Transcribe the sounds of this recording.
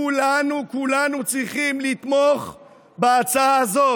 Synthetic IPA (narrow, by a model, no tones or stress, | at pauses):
ulanukulanut͡sʁiχimlit̪mo̞χ | beat͡saaːzo̞